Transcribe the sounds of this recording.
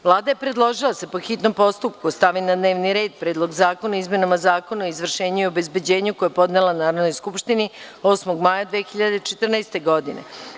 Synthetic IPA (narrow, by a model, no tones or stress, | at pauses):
ʋlˠaːd̪ajepɾe̞d̪lˠo̞ʒilˠasepoxit̪no̞mpo̞st̪upkust̪aʋinad̪ne̞ːʋniɾe̞ːd̪̚pɾeːd̪lˠo̞ɡzaːkonaizme̞namazaːko̞naizʋr̩ʃeːɲuio̞be̞zbe̞d͡ʑeːɲukojepo̞d̪nelˠanaːɾad̪no̞jskupʃt̪inio̞ːsmoɡmaːjad̪ʋeːxiʎad̪et͡ʃet̪rnajst̪e̞ɡo̞d̪inḛ